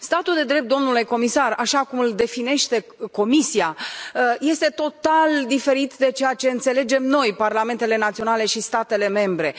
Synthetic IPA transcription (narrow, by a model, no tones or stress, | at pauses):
st̪at̪uld̪e̞d̪ɾe̞p̚t̪d̪o̞mnuleko̞misaraʃakumɨld̪e̞fine̞ʃt̪e̞ko̞misia | je̞st̪e̞t̪o̞t̪ald̪ife̞ɾit̪d̪e̞t͡ʃe̞jat͡ʃe̞ɨnt̪se̞le̞d͡ʒe̞mno̞jparlame̞nt̪e̞le̞nat̪sio̞nale̞ʃist̪at̪e̞le̞me̞mbɾe̞